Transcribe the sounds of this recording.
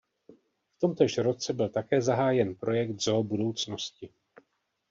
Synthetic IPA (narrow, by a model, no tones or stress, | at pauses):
ft̪o̞mt̪ɛʃɾo̞t͡sɛbɪlt̪akɛːzaɦaːjɛnpɾo̞jɛkt̪zobudo̞wt͡snoscɪ